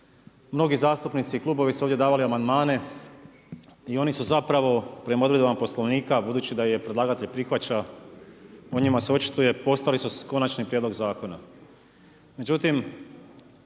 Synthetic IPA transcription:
mno̞ɡizaːst̪upnit̪siklˠuːbo̞ʋisuoːvdʲje̞d̪aːʋaliamand̪maːne̞ | io̞nisuzapɾaʋo̞pɾemo̞d̪ɾe̞d̪oapo̞sloʋniːkabud̪uːt͡ɕid̪aje̞pɾed̪lˠaːɡat̪eʎpɾixʋat͡ɕa | o̞ɲimaseo̞t͡ʃi̥t̪ujepo̞st̪alisusko̞nat͡ʃnipɾʲjed̪loɡzaːko̞na̰ | me̞d͡ʒut̪im

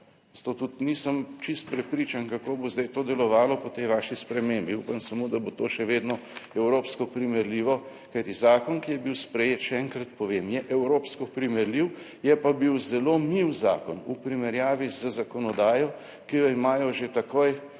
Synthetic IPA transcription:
zat̪oːt̪ut̪nisəmt͡ʃist̪̚pɾɛpɾiːt͡ʃankakoːbozd̪ajt̪oːd̪ɛlɔʋaːlɔpɔt̪ɛjʋaːʃispɾɛmeːmbiṵpamsamud̪abot̪oːʃɛʋeːd̪nɔɛwɾoːpskɔpɾimɛɾliːʋɔ | kajt̪izaːkɔnkijɛbiwspɾɛjeːt̪ʃɛɛŋkɾat̪pɔʋeːmjɛʔɛwɾoːpskɔpɾimɛɾliw | jɛpabiwzɛloːmiwza̰ːkɔnupɾimɛɾjaːʋizəzakɔnɔd̪aːjɔ | kijɔimaːjɔʒet̪akoːj

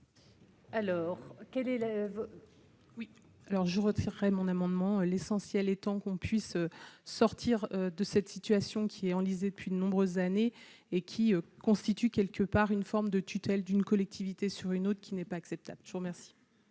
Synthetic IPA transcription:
alɔːʁkʲɛlɛv | wi | alɔʁʒəʁət̪ʰiʁːɛmɔ̃namɑ̃d̪mɑ̃ølesɑ̃sjɛlɛt̪ɑ̃kɔ̃pʰɥisøsɔʁt̪ʰiʁød̪əsɛt̪sit̪ɥasjɔ̃kʲʰiɛɑ̃lized̪əpɥid̪ənɔ̃bʁøzːane | ekʲʰiøkɔ̃st̪it̪ykʲɛlkəpaʁynfɔʁmd̪ət̪ʰyt̪ɛld̪ynkɔlɛk̚t̪ʰivit̪esyʁynot̪χəkʲinɛpaːksɛp̚t̪a̰b̥lʒəvuʁmɛʁsi̥

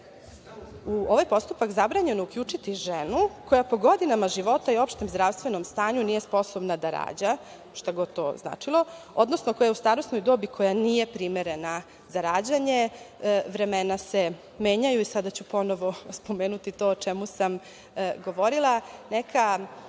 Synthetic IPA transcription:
uo̞ʋajpo̞st̪upakzabɾaɲe̞noukʎut͡ʂit̪iʒenuko̞japo̞ɡo̞d̪inamaʒiʋo̞t̪aio̞pʃt̪emzd̪ɾaʋst̪ʋe̞no̞mst̪aːɲunijespo̞sobnad̪aɾa̰ːd͡ʑa | ʃt̪aɡo̞t̪o̰ːzna̰ːt͡ʂilo̞od̪nosno̞ko̞jaust̪aɾosno̞jd̪oːbikʰo̞janije̞pɾimeɾe̞na | zaɾaːd͡ʑaɲe̞ʋɾe̞menase | me̞ːɲajuisad̪at͡ɕupo̞noʋo̞spo̞meːnut̪it̪o̞t͡ʃemusam | ɡo̞ʋo̞ɾilˠanekʰa

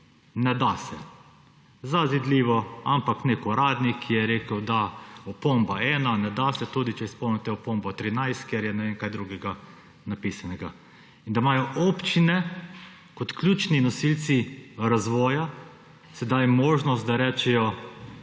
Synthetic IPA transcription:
nɛd̪asɛ | zazid̪liːʋɔampakneːkɔɾaːd̪nikʰːijɛɾeːkəwd̪aɔpombaɛːnanɛd̪asɛt̪uːd̪it͡ʃɛispɔwnɛt̪ɛɔpombɔt̪ɾinajst̪̚kɛɾjɛnɛʋeːnkajd̪ɾuɡɛɡa | napisanɛɡa | ind̪amaːjɔʔɔpt͡ʃinɛ | kɔt̪klʲjuːt͡ʃninɔsilt̪siɾazʋɔːja | sɛd̪ajmoːʒnɔst̪̚d̪aɾɛːt͡ʃɛjɔ

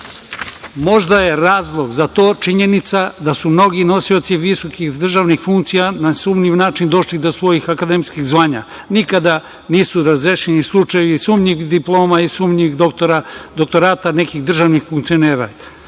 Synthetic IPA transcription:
mo̞ʒd̪aje̞ɾaːzlˠoɡzat̪o̞ːt͡ʃiɲe̞nit̪sad̪asumno̞ɡino̞siot̪siʋisokixd̪r̩ʒaʋnixfuŋkt̪sijanasumɲiʋnaːt͡ʃind̪o̞ʃlid̪osʋo̞jixakad̪emskiɣzʋaːɲa̰ | nikad̪a | niːsuɾazɾeʃenislˠut͡ʃajeʋisumɲid̪iplˠo̞ːmaisumɲixad̪ok̚t̪o̞ɾaːt̪ane̞kiɣd̪r̩ʒaʋnixfuŋkt̪sio̞neːɾa̰

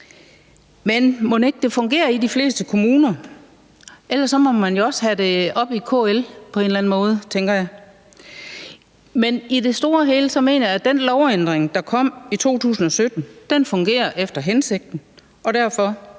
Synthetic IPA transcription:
menmɔne̝ɡ̥̚d̥e̝fɔ̽ŋɡ̥e̝̰ːɐid̥ifle̝̰ːsd̥əkʰo̝muːnɐ | ʔelɐsːɒ̽mɒ̽mænjo̝ɒ̽shæde̝ɒ̽b̥ikʰo̰ːelpʰɒ̽e̝ːnlæn̩mɔ̽ːð̞̩ˠt͡sʰeŋɡ̥ɐjɑ̈ɪ | menid̥e̝sd̥o̝ːɐɦe̝̰ːləsɒ̽me̝ːnɐjæd̥enlɒʊend̥ʁeŋd̥ɑ̈kʰɒ̽m̰it͡sʰo̝̰ːt͡sʰṵːsn̩ɒ̽sød̥n̩d̥enfɔ̽ŋɡ̥e̝̰ːɐʔefd̥ɐɦense̝ɡ̥̚d̥n̩ | ɒ̽ɾ̥æɐ̰fɒ̽

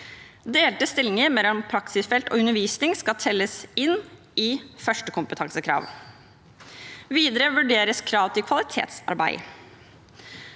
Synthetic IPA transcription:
d̪eːlt̪əst̪ɪlɪŋəɾmɛlːɔmpʰɾɑksɪsfɛlt̪o̰ːʉnːəʋiːsnɪŋskɑt̪ʰɛlːəsɪnː | ɪfœʂʈəkʰʊmpət̪ʰɑŋsəkʰɾɑ̰ːʋ | ʋiːd̪əɾəʋʉɖeːɾəskʰɾɑːʋt̪ʰɪkʰʋɑlɪt̪ʰḛːt̪sɑ̰ɾbæ̰ɪ

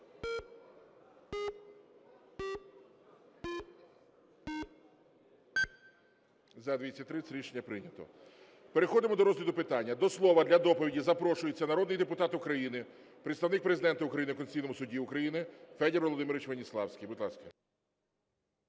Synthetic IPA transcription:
zɐd̪ʋʲit͡sʲːɐt̚ʲt̪ːɾɪt͡sʲɾʲiʃenʲːɐpɾɪnʲɐt̪ɔ̰ | peɾexɔd̪ɪmɔd̪ɔɾɔzlʲɐd̪ʊpɪt̪ɑnʲːɐd̪ɔslˠɔʋɐd̪lʲɐd̪ɔpɔʋʲidʲizɐpɾɔʃʊjet͡sʲːɐnɐɾɔd̪nɪjd̪epʊt̪ɑt̪ʊkɾɐjinɪ | pɾet̪st̪ɐʋnɪk̚pɾezɪd̪ɛnt̪ɐʊkɾɐjinɪkɔnsʲijnɔmʊsʊdʲiʊkɾɐjinɪfɛd̪ʲeɾʋɔlˠɔd̪ɪmɪɾɪʋɪt͡ʃʋenʲislˠɑ̰wsʲkʲijbʊd̪lˠɑskɐ

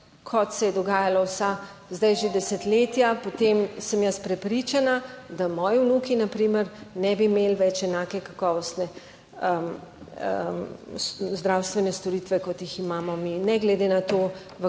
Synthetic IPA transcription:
kʰɔt̪sɛjɛd̪ɔɡaːjalawsa | zd̪ajʒed̪ɛsɛt̪leːt̪japot̪emsəmjəspɾɛpɾit͡ʃanad̪amɔːjiwnukinapɾiməɾnɛbimeːlʋɛt͡ʃɛnakɛkakɔːʋɔst̪nɛ | əm | szd̪ɾawst̪ʋɛnɛst̪ɔɾit̪ʋɛkɔt̪jiximaːmɔminɛɡlɛd̪enat̪oː | ʋə

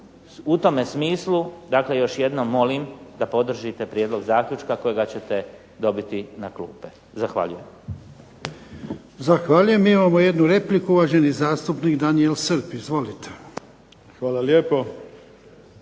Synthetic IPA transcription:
ut̪o̞mesmiːslˠud̪akle̞jo̞ʃje̞d̪no̞mːo̞limd̪apo̞d̪r̩ʒit̪e̞pɾjed̪lˠo̞ɡzaːkʎut͡ʃkako̞jeɡat͡ɕe̞t̪e̞ | d̪o̞bit̪inaklṵːpe | zaxʋa̰ʎuje̞m | zaxʋaːʎuje̞mimamoje̞d̪nuɾe̞plikuuʋaʒe̞nizaːst̪upnikd̪anielsɨɾpizʋo̞lit̪ʰe̥ | xʋaːlaljepo

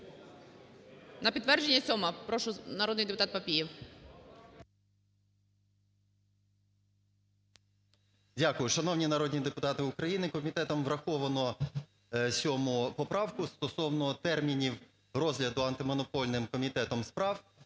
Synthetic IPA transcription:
nɐpʲid̪t̪ːʋɛrd͡ʒenʲːɐsʲɔmɐpɾɔʃʊnɐɾɔd̪nɪjd̪epʊt̪ɑt̪̚pɐpʲijɛw | dʲakʊjʊʃɐnɔwnʲinɐɾɔdʲnʲid̪epʊt̪ɑt̪ɪʊkɾɐjinɪkɔmʲit̪ɛt̪ɔmʋɾɐxɔʋɐnɔ | sʲɔmʊpɔpɾɑwkʊst̪ɔsɔwnɔt̪ɛrmʲinʲiw | rɔzlʲɐd̪ʊɐnt̪ɪmɔnɔpɔlʲnɪmkɔmʲit̪ɛt̪ɔmspɾɑw

